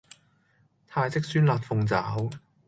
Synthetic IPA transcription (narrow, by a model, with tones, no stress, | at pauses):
t̪ʰaː˧jt͡sɪ˥k̚syː˥nlaː˧t̚fʊ˨˧ŋt͡saː˨˥w